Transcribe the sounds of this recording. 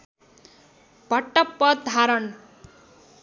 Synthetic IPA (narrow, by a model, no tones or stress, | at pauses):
b̥ʱʌʈːʌpːʌd̪ʱaɾʌn